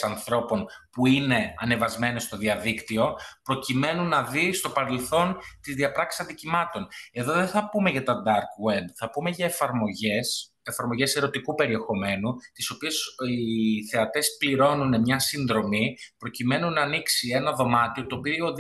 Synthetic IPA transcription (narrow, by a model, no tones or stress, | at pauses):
sɐnθɾo̞po̞npuine̞ɐne̞vɐzme̞ne̞st̪o̞ðiɐðikt̪io̞pɾo̞cime̞nunːɐðist̪o̞pɐɾe̞lθo̞nt̪izðiɐpɾɐksi̥sɐnðicimɐt̪o̞ne̞ðo̞ðeθɐpume̞ʝɐt̪ɐd̪ɐɾkwed̪θɐpume̞ʝɐefɐɾmo̞ʝes | efɐɾmo̞ʝe̞se̞ɾo̞t̪ikupe̞ɾie̞xo̞me̞nut̪iso̞pie̞siθe̞ɐt̪e̞spliɾo̞nune̞mɲɐsinðɾo̞mipɾo̞cime̞nunɐːniksie̞nɐðo̞mɐt̪io̞t̪o̞ːpio